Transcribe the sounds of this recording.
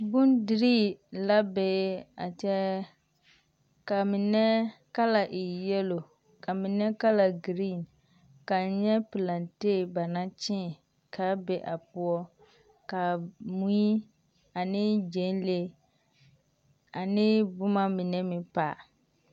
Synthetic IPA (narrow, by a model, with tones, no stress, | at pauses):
bʊ˦ndɪ˨ɾiː˦˨la˦be˨˦a̰˨t͡ʃɛ˦ | ka˨mɪ˨nɛ˦ka˦la˨ʔɪ˨jɛ˦lo˨ | ka˨mɪ˨nɛ˦ka˦la˨ɡɾi˦˨n | ka˨˦ɲɛ˦pɪ˨la˨nteː˦˨ba˨na˦t͡ʃɪ˦˨ | kʰa˦bɛ˦ʔa˨pʊ˦ɔ˦ | ka˨mu˦i˦ | a˨nɪ˦d͡ʒe˨˦n˦le˦ | a˨nɪ˦bʊ˦ma˦mɪ˨nɛ˦mɪ˨pa̰˨